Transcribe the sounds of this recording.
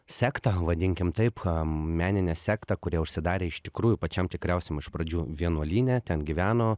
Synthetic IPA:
sʲæːkt̪ɐʋɐd̪ʲɪŋʲkʲɪmt̪ɐɪpmʲæːnʲɪnʲɛsʲæːkt̪ɐkʊɾʲiɛʊʃʲsʲɪd̪ɑːɾʲeːɪʃt̪ʲɪkɾuːjʊpɐt͡ʃʲɛmt̪ʲɪkɾʲɛʊsʲɛmɪʃpɾɐd͡ʒʲuːʋʲiɛnuɔlʲiːnʲæːt̪ʲɛnɡʲiʋʲæːnoː

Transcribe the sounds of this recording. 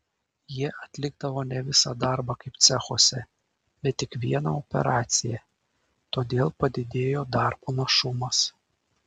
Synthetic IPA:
jiɛʔɐt̪ʲlʲɪɡ̚d̪ɐʋoːnʲɛʋʲɪsɑd̪ɑˑɾbɑkɐɪp̚t̪sʲɛxoːsʲɛ | bʲɛt̪ʲːɪkʋʲiɛnɑopʲɛ̰ɾɑːt̪sʲɪjɛ | t̪oːd̪ʲeːlˠpɐd̪ʲɪd̪ʲeːjoːd̪ɑˑɾbunɐʃʊmɐs

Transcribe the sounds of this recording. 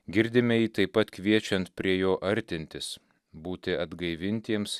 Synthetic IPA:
ɡʲɪɾʲd̪ʲɪmʲɛjiːt̪ɐɪpːɐt̪kʋʲiɛt͡ʃʲɛnt̪pʲɾʲiɛjoːʔɐɾʲt̪ʲɪnʲt̪ʲɪs | buːt̪ʲɪɐd̪ɡɐɪʋʲɪnʲt̪ʲiɛms

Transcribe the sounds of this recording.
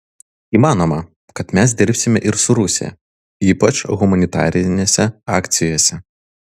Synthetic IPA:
iːmɑːnomɐ | kɐt̪mʲæs̬d̪ʲɪɾʲpʲsʲɪmʲɛʔɪɾsʊɾʊsʲɪ̰jɛ̰ | iːpɐt͡ʃɣʊmɐnʲɪt̪ɑ̰ːɾʲɪnʲeːsʲɛɑːkt̪sʲɪjoːsʲɛ

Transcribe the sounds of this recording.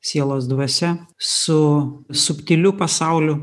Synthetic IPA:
sʲiɛlˠoːs̬d̪ʋɐsʲɛsʊsʊpʲt̪ʲɪlʲʊpɐsɑˑʊlʲʊ

